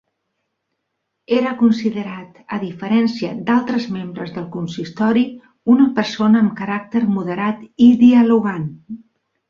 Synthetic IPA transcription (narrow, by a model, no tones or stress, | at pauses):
eɾəkunsiðəɾat̪əðifəɾɛnsiəd̪alˠt̪ɾəzmembɾəzðəlˠkunsist̪ɔɾi | unəpərsonəːmkəɾak̚t̪əɾmuðəɾat̪iðiəluɣan